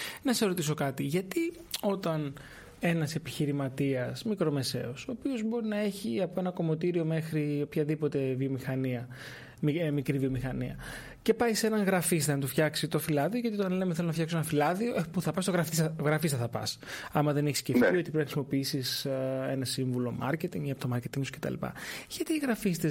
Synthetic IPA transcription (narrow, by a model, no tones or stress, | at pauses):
nɐseɾo̞t̪iso̞kɐt̪iʝɐt̪i | o̞t̪ɐn | e̞nɐse̞piçiɾimɐt̪iɐsmikɾo̞me̞se̞̰o̞so̞ːpio̞zbo̞ɾinɐeçiɐpo̞e̞nɐko̞mo̞t̪iɾio̞me̞xɾio̞pçɐðipo̞t̪e̞vio̞mixɐniɐ | mikɾivio̞mixɐniɐ | ce̞pɐjse̞nɐŋɣɾɐfis̬t̪enɐt̪ufçɐksit̪o̞filɐðioʝɐt̪iot̪ɐnlemeθelonɐfçɐksoenɐfilɐðio̞ʔepuθɐpɐst̪oɣɾɐfisɣɾɐfist̪ɐθɐpɐ̰s | ɐmɐðe̞neçiscefio̞t̪ipɾinɐxɾisimo̞piisisenɐsiɱvulomɐ̰ɾce̞t̪iŋɡiɐpot̪omɐɾce̞t̪iŋɡt̪o̥ske̞t̪ɐ̰lḭpɐ̰ʝ̥ɐt̪iːɣɾɐfist̪e